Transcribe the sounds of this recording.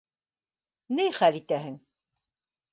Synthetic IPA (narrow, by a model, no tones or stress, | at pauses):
nɘjχælit̪æɦɘŋ